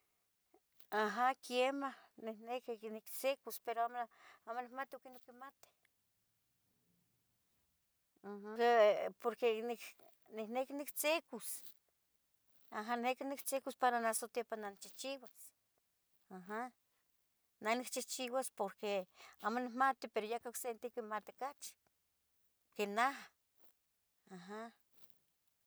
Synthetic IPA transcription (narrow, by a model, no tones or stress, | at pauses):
aɦakjemahniknekiknikt͡sekuspeɾoamamonikmat̪iokinokimat̪e̥ | hepoɾkenik | niknekinikt͡sekus | aɦannekinikt͡sekuspaɾanasot̪jepananit͡ʃiht͡ʃiwas | aɦa | nanikt͡ʃiht͡ʃiwaspoɾkeamonikmat̪ipeɾojakaoksent̪ikimat̪ikat͡ʃ | kenaɦa | aɦa